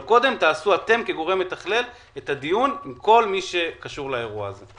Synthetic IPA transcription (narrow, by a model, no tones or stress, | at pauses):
ko̞d̪e̞mtaːsuat̪e̞mke̞ɡo̞ʁe̞mlet̪aχle̞l | et̪ad̪ijunimko̞lmiʃe̞kaʃuʁlaeʁua̰ze